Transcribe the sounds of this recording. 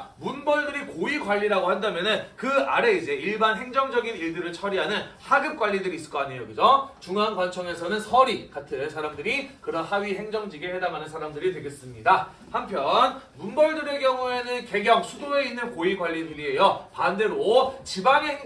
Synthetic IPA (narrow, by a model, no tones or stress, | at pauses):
munbʌɭdɯɾikoiɡwaʎːiɾaɡohandamjʌnɯnkɯaɾe̞id͡ʑe̞iɭbanɦe̞ŋd͡ʑʌŋd͡ʑʌɡiniɭdɯɾɯɭt͡ɕʰʌɾiɦanɯnhaɡɯp̚k͈waʎːidɯɾis͈ɯ̥k͈ʌaɲejokɯd͡ʑot͡ɕuŋanɡwant͡ɕʰʌŋe̞sʰʌnɯnsʰʌɾikatʰɯnsʰaɾamdɯɾikɯɾʌnhaɥiɦe̞ŋd͡ʑʌŋd͡ʑiɡehe̞damanɯnsʰaɾamdɯɾitwe̞ɡes͈ɯmɲida | hampʰjʌnmunbʌɭdɯɾɯɭkjʌŋue̞nɯnke̞ɡjʌŋsʰudoe̞inːɯnkoiɡwaʎːinɯɾiɦe̞jʌpande̞ɾot͡ɕibaŋeŋ